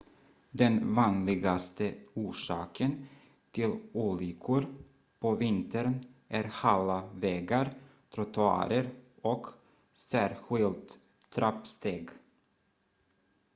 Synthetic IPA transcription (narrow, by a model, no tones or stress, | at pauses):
d̪ɛnvɑːnlɪɡast̪əuːʂɑːkʰən | t̪ʰɪluːlɪːkʰʊɾ | pʰɔvɪnt̪əɾnʔæɾhalːavɛːɡaɾt̪ʰɾʊt̪ʰʊɑ̰ːɾəɾɔk | sæːɾɧɪlt̪ | d̪ɾapst̪eːɡ